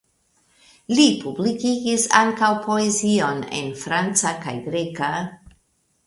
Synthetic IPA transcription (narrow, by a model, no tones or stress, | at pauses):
lipublikiɡisaŋkawpʰo̞ezio̞ne̞̰nfɾant͡saka̰jɡɾe̞ka